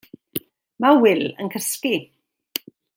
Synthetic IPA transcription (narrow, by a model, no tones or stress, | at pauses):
mawɪlə̰nkʰəski